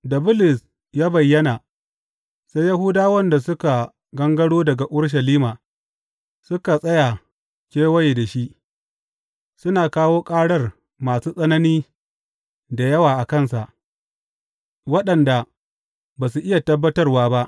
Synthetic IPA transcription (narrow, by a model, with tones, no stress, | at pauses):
dɐ˨bʊ˦lɪ˨s | jaː˦bɐ˨jːɐ˦na˨ | sa˦jɐ˦ɦuː˦daː˦wɐ˦nda˨sʊ˦ka˨ | ɡɐ˦ŋɡɐ˦ɽoː˦dɐ˨ɡa˨ʔʊ˦ɽʃ̬ɐ˨liː˦maː˨ | sʊ˦ka˨sʼɐ˦ja˨ | kʲeː˦wɐ˦je˨da˨ʃi˦ | sʊ˦naː˨kaː˦woː˦kʼaː˦ɽɐ˦r | maː˨suː˦sʼɐ˦nɐ˦niː˦ | da˨jɐ˦waː˨ʔa˨kɐ˦˨nsa˨ʔ | wɐ˦ɗɐ˨nda˨ | baː˨s̬u˨ʔɪ˦ja˨tɐ˦bːɐ˦tɐ˦rwaː˦ba˦ʔ